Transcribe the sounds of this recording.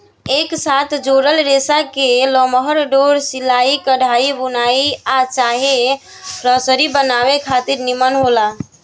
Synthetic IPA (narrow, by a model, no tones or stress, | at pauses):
eksat̪ʰd͡ʒoɾəlɾesakelɔməɦəɾɖoɾsilaikəɽʱaibunaiat͡ʃaɦe | ɾəsəɾibənaβekʰat̪iɾnimənɦola